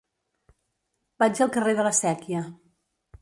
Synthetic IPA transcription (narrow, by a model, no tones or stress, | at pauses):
bad͡ʒəlˠkəreðələsɛkiə